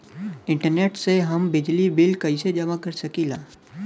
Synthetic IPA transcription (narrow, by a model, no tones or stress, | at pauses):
ɪ̃ɳʈəɾneːʈseɦɐmbɪd͡ʒlibɪlkɐised͡ʒɐmakɐɾsɐkilaː